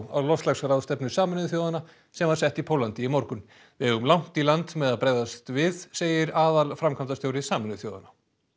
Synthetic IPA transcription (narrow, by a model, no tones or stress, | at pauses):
a̰wlɔst̪lasɾaðst̪ɛpnʏsaːmɪnɪʏθjoːwðana | sɛmvaɾ̥sɛht̪ipʰowlant̪ɪɪmɔɾkʏn | vɪɛɣʏmlawn̥t̪ilant̪mɛðaðpɾeːjðast̪vɪðseːjɪɾaːðalfɾamkʰant̪ast̪jowɾɪsaːmɪnðʏθjoːwða̰na